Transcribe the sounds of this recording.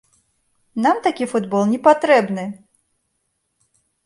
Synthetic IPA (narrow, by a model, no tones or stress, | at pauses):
namt̪akʲifud̪bɔlˠnʲɛpat̪ɾɛbnɨ